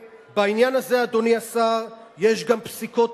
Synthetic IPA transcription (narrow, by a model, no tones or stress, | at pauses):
bainjanaze̞ad̪o̞niasaʁje̞ʃɡampsiko̞t